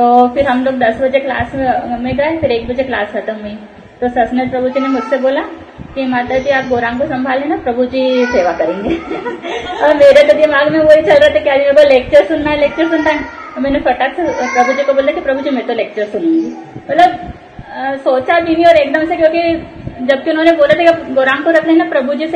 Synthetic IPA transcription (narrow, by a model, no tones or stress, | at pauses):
t̪oːpʰɪɾɦɐmloːk̚d̪ɐsbɐd͡ʒekla̰ːsmẽɡaːepʰɪɾeːk̚bəd͡ʒeklaːsɦɐt̪əmui | t̪osɐsnepɾɐbʱud͡ʒinemʊd͡ʒʱseboːla | kimaːt̪əd͡ʒiaːp̚ɡoːɾãːŋkosɐ̃mbʱaːlɦɛ̃napɾɐbʱud͡ʒiseːʋakɐɾẽːŋɡeː | ɔːɾmeːɾed̪od̪iemaːɡmẽʋoːit͡ʃɐlɾaat̪ʰakiaːd͡ʒimẽboleːk̚t͡ʃəɾsʊnːaːɦɛleːk̚t͡ʃəɾsʊnd̪ãː | omɛ̃ːnũfɐʈak̪pɾɐbʱud͡ʒikoboːld̪akipɾɐbʱud͡ʒimɛ̃ːt̪oleːk̚t͡ʃəɾsʊnẽːŋɡimɐt̪ləb̚ | soːt͡ʃabiːʋiɔːɾeːkd̪ɐmsekjõːkid͡ʒɐb̚kiʊnɦõːneboːlat̪akipɡoːɾãːŋkoɾɐkʰnaɦinapɾɐbʱud͡ʒis